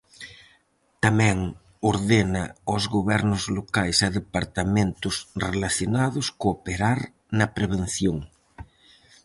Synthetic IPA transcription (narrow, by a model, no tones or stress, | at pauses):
t̪amɛ̃ŋ | oɾðenɐ̰ozɣoβɛɾnʊzlokajsɐðepaɾt̪amẽnt̪ʊsrelaθjonaðʊskoːpeɾaɾ | nɐpɾeβ̞en̟θjoŋ